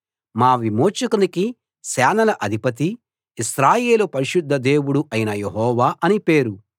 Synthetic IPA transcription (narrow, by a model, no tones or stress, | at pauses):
maːʋimo̞ːt͡ʃukuniki | sɛːnɐlɐʔɐd̪ʱipɐt̪̬iː | sɾaːje̞ːlupɐɾiʃud̪ʱːɐd̪e̞ːwuɽuʔɐjinɐjeɦɔːʋaːʔɐnipe̞ːɾu